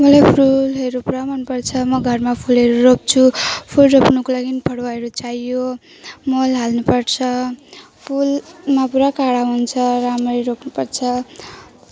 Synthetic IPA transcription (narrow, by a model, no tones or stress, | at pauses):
mʌlajpʰulɦʌɾupuɾamʌnpʌrt͡sʰʌmʌɡʱʌrmapʰulɦʌɾuɾop̚t͡sʰupʰulropnukolaɡinipʰʌɽwaɦʌɾut͡sajjo | molɦalnupʌɽt͡sʰʌ | pʰulmapuɾakaɽaɦunt͡sʰʌɾamrijɾokʰnupʌrt͡sʰʌ